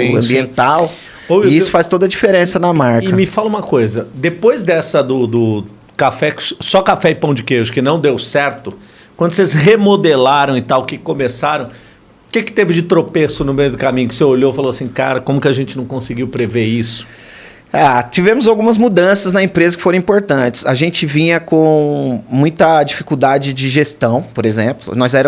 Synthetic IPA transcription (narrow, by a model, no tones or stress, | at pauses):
ɐ̃mbiẽnt̪aw | oweisʊ̥fast̪od̪ɐd͡ʒifeɾẽsɐnɐmaɾkɪmɪfalɐũmɐkojzɐd̪epojzd̪ɛsɐd̪ʊd̪ʊ | kafɛksɔkafɛɪpɐ̃w̃d͡ʒɪkeʒʊkɪnɐ̃w̃d̪ewsɛɾt̪ʊ | kwɐ̃nd̪ʊsezhemod̪elaɾɐ̃w̃ɪt̪awʊkɪkomesaɾɐ̃w̃ | ʊkɪkɪ̥t̪evɪd͡ʒɪt̪ɾopesʊnʊmejʊd̪ʊkamĩɲʊkɪ̥seoʎofaloasĩka̰ɾɐkõmʊkɪaʒẽnt͡ʃɪnɐ̃w̃kõsɪɡiwpɾeveisʊ̥ | at͡ʃivẽmʊzawɡũmɐzmud̪ɐ̃sɐznɐẽpɾezɐkɪ̥foɾɐ̃ĩpoɾt̪ɐ̃t͡ʃɪ̥sɐʒẽnt͡ʃɪvĩɲɐkõmũj̃t̪ɐd͡ʒifi̥kuwd̪ad͡ʒɪd͡ʒɪʒest̪ɐ̃w̃poɾezẽplʊ̰nɔzɛɾ